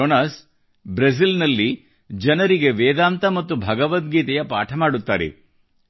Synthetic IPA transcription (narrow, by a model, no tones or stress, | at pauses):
onaːs | bɾɐs̬ilnɐlːi | d͡ʒɐnɐɾiɡe̞ʋeːd̪aːmt̪ɐmɐt̪ːubʱɐɡɐʋɐt̪̚ɡiːt̪ɛjɐpa̰ːʈʰɐmaːɽut̪ːaːɾḛ